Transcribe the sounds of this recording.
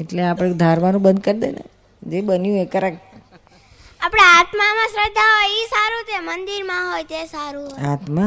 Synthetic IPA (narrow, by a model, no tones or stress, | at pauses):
eʈleapəɽ̃ekd̪ʱaɾmanũbənd̪kəɾd̪ḛnḛ | d͡ʒebənjũekəɾak̚ | apɽeat̪mamãsɾəd̪ʱːaɦojisaɾũt̪emənd̪iɾmãɦojt̪esaɾũat̪mã